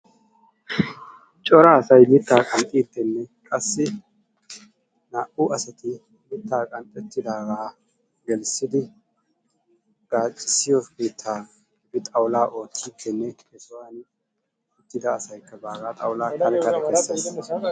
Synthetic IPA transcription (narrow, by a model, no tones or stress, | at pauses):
t͡ʃʼɔɾaːsɐjlɪt̪ːaːkʼɐnt̪ʼiːt̪ːɛnːɛkʼɐsːɪ | naʔʊʔɐsɐt̪ɪ | lɪt̪ːaːkʼɐnt̪ʼɛt̪ːɪd̪aːɡaː | ɡɛlsɪd̪ɪ | ɡ̥aːt͡ʃʼːɪsːɪjɔbeːt̪ʰːaː | bɪt̪ʼɐwlaːʔo̞ːt̪ːiːt̪ːɛnːɛ | ɛsɔwaːn | ɛt̪ːɪd̪ɐːsɐjkːɐbaːɡaːt̪ʼɐ̰wlaːkɐlkːɐsɐ